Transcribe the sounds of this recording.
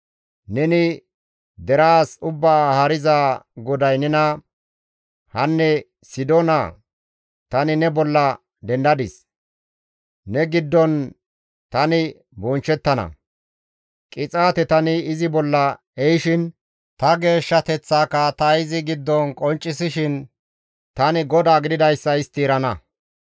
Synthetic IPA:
nɛnɪ | d̪ɛɾaːsʊbːaːhɐɾɪzaːɡɔd̪ɐjnɛnɐ | hɐnːɛ | sɪd̪ona̰ | t̪ɐnɪnɛbɔlːɐ | d̪ɛnd̪ɐd̪ɪs | nɛɡɪd̪ːɔn | t̪ɐnɪ | bɔnt͡ʃːɛt̪ːɐnɐ̰ | kʼɪt͡sʼaːt̪ɛt̪ɐnɪːzɪbɔlːɐ | ɛjʃɪn | t̪ɐɡe̞ːʃːɐt̪ɛt͡sːaːkːɐt̪ɐɪzɪɡɪd̪ːɔnkʼɔnt͡ʃʼːɪsɪʃɪn | t̪ɐnɪɡɔd̪aːɡɪd̪ɪd̪ɐjsːɐɪst̪iːɾɐnɐ

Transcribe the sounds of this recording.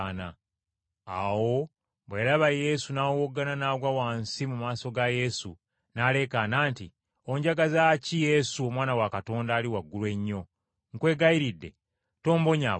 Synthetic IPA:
na | awo̞ | βwelaβaje̞sunawwoɡːananaɡwawaːnsimumaːso̞ɡaje̞sṵ | naːle̞kanaːnti | o̞ɲɟaɡazacije̞suomwaːnawakato̞ːndaːliwaɡːulwe̞ɲːo̞ | ŋkwe̞ːɡajiɾidːe̞̰ | to̞ːmbo̞ɲa

